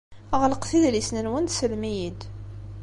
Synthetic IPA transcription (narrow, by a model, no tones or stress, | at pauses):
ʁləqθiðlisnənwənd̪səlmijid̪